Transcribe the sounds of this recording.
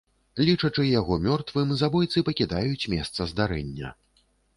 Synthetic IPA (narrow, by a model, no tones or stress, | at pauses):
lʲit͡ʂɐt͡ʂɨjaɣɔmʲɔrt̪vɨmzabɔjt̪sɨpɐkʲid̪ajut͡sʲmʲɛst̪sɐzd̪aɾɛ̰nʲːɐ̰